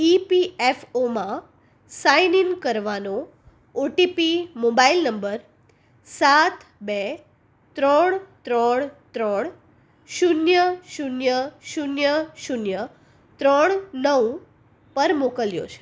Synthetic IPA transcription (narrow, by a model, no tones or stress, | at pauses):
ipiefomã | sainiŋkəɾʋano | oʈipimobailnəmbəɾ | sat̪ʰbe | t̪ɾəɳt̪ɾəɳt̪ɾəɳ | ʃunjəʃunjəʃunjəʃunjə | t̪ɾəɳnəʋ | pəɾmokəljo̰t͡ʃʰe̥